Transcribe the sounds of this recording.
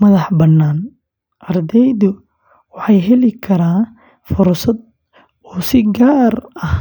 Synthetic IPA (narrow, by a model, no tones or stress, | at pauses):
mɐðɑħbɐnːaːn | ʔɐrd̪ɛjðʊ | wɑħɑjɦɛlɪkʰɐɾaːn | fʊɾsɐd̪̚ | ɔːsɪɡaːrɐh